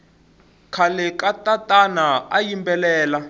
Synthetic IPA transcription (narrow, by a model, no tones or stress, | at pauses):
kʰalɛkatʼatʼanaajimbɛlɛːla